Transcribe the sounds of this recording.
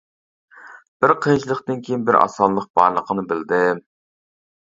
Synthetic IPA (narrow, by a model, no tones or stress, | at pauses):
b̥ɪɾqʰent͡ʃilˠəqt̪ɨnkʲʰejinbɪɾɑ̰sɑnlːˠəq̚b̥ɑɾlˠəqʰənɨbɪld̪ɪ